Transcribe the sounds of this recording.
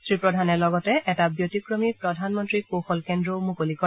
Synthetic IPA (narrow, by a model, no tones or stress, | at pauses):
sɹipɹɔdʱanɛlɔɡɔtɛɛtabjotikɹomipɹɔdʱanmɔntɹikoxɔlkendɹomukolikɔ